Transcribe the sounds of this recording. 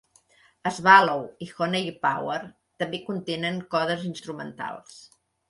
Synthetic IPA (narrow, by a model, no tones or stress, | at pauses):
əzβalowixonejpawər | t̪əmbekunt̪enəŋkɔðəzinst̪ɾumə̰nt̪a̰lˠs